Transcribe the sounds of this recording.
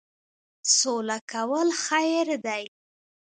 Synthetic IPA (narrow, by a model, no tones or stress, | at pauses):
solakawəlxajɾd̪aj